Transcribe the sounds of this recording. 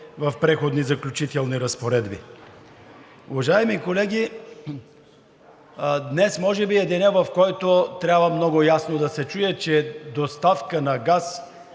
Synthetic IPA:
vɐfpɾɛxod̪nizɐklʲʊt͡ʃit̪ɛlˠniɾɐspoɾɛd̪bḭ | ṵvɐʒaɛmikolɛɡ̟ʲi | d̪nɛsmɔʒɛbiɛd̪ɛnɛvɐfkɔjt̪ot̪ɾʲabvɐmnɔɡʊjasnod̪ɐsɛt͡ʃujɛt͡ʃɛd̪ost̪afkənɐɡas

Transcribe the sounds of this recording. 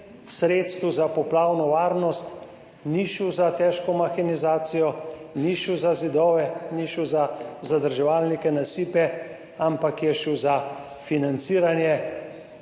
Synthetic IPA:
sɾeːt̪st̪ʋuzapɔplaːwnɔʋaːɾnɔst̪ | niʃuzat̪ɛʃkɔmaxinizaːt̪sijɔniʃuzazid̪ɔːʋɛniʃuzazad̪əɾʒɛʋaːlnikɛnasiːpɛ | ampakjɛʃuza | finant̪siːɾanjɛ

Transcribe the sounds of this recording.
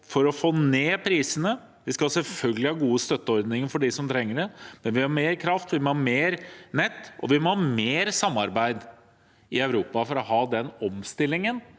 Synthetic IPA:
fɔɾɔfoːneːpʰɾiːsənə | ʋɪskɑsɛlfœlɡəlɪhɑːɡuːəst̪œt̪ːəɔɾd̪nɪŋəfɔɖɪsɔmt̪ʰɾɛŋːəɖɛmɛnʋɪhɑɾmeːɾkʰɾɑft̪ʋɪmɔhɑmeːɾnɛt̪ːɔ̰ʋɪmɔhɑmeːɾsɑmːɑɾbæɪd̪ | ɪɑʉɾuːpɑfɔɾɔɦɑːd̪ɛnɔmst̪ɪlːɪŋən

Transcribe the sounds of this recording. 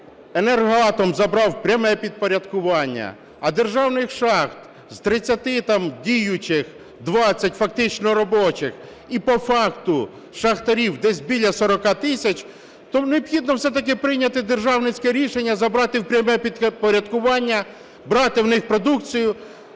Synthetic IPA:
enɛrɦɑt̪ɔmzɐbɾɑwpɾʲɐmɛpʲid̪̚pɔɾʲɐd̪kʊʋɑnʲːɐ̰ | ɐd̪erʒɑwnɪxʃɑxt̪ | z̥t̪ɾɪt͡sʲːɐt̪ɪt̪ɑmdʲijʊt͡ʃɪx | d̪ʋɑt͡sʲːɐtʲfɐk̚t̪ɪt͡ʃnɔɾɔbɔt͡ʃɪx | ipɔfɑkt̪ʊ | ʃɐxt̪ɐɾʲiwd̪ɛsʲbʲilʲɐsɔɾɔkɑt̪ɪsʲɐt͡ʃ | t̪ɔneɔb̥xʲid̪nɔwsɛt̪ɐk̬ɪpɾɪjnʲɐt̪ɪd̪erʒɑwnɪt͡sʲkɛɾʲiʃenʲːɐzɐbɾɑt̪ɪwpɾʲɐmɛpʲid̪pɔɾʲɐd̪kʊʋɑnʲːɐ | bɾɑt̪ɪwnɪxpɾɔd̪ukt͡sʲijʊ

